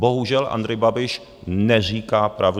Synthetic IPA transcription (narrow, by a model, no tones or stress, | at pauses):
boɦuʒɛlʔa̰nd̪ɾɛjbabɪʃ | nɛr̝iːkaːpɾav